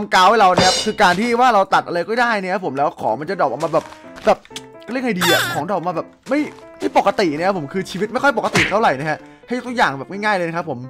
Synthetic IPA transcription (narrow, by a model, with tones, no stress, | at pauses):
a˧mkaː˦˥wa˥˩ɾa˧wna˦˥kʰa˦˥p̚kʰɯː˧kaː˧nt̪ʰiː˥˩waː˥˩ɾa˧wt̪a˨˩t̪ʔa˧ɾa˧jkɔː˥˩daː˥˩jn˦˥kʰa˧˥pʰo˩˦mlɛː˦˥wkʰɔː˩˦ma˧nt͡ɕa˨˩dɔː˨˩p̚ʔa˧wmaː˧bɛː˨˩p̚ | bɛː˨˩p̚ | kʰːɾi˥ə˩ʔʰa˧˩diː˧ʔa˨˩kʰɔː˩˦ŋdɔ˧˩˨maː˧bɛː˨˩p̚ma˥˩j | ma˥˩jpo˨˩ka˧t̪i˨˩n˦˥kʰa˦˥pʰo˩˦mkʰɯː˧t͡ɕʰiː˧wi˦˥t̪̚ma˥˩jkʰɔ˥˩jpo˨˩ka˧t̪i˨˩t̪ʰa˥˩ɾa˨˩jna˦˥kʰa˦˥ʔ | ha˥˩jt̪ʰk̚jaː˨˩ŋbɛː˨˩p̚ŋa˥˩ŋaː˥˩jlːɤː˧na˧kʰpʰːo˩˦m